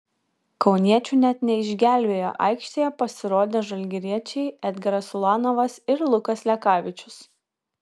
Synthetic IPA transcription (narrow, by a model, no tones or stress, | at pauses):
kɒʊnʲiɛt͡ʃʲuˑːnʲɛt̪nʲɛɪʒʲɡʲæːˑlʲbʲeːjo̰ːʔɑ̰ɪkʃʲt̪ʲeːjɛpɐsʲɪɾoːd̪ʲeːʒɐlʲɡʲɪɾʲiɛt͡ʃʲɛɪɛd̪ʲɡʲɛɾɐsʊlˠɑːnoʋɐsɪɾlˠʊkɐslʲɛkɑːʋʲɪt͡ʃʲʊs